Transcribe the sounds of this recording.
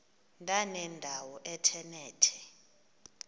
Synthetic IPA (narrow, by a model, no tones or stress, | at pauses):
ndʱʼanɛndʱawɔʔɛtʰɛnɛːtʰɛ